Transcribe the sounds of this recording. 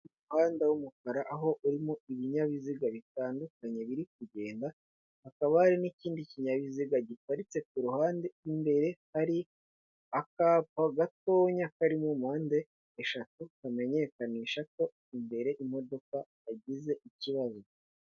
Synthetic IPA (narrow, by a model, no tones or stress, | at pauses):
uhaːndewumukaɾaʔaɦo̞ʔuɾimoiβiɲaβiziɡaβitaːndukaɲe̞βiɾik̚uɟe̞ːnda | hakaβahaɾiniciːndiciɲaβiziɡaɟikwaɾit͡se̞kuɾuhaːndeimbe̞ɾe̞haɾi | akapaɡato̞ːɲakaɾimomhaːnde̞ː | ʃatukame̞ɲe̞kaniʃako̞ | imbe̞ɾe̞ʔim̥o̞do̞ka | aɟize̞ʔiciβazo̞